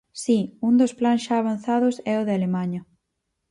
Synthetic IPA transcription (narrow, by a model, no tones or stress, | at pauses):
siund̪osplansʃaːβ̞an̟θaðʊsɛʊðɪalemaɲɐ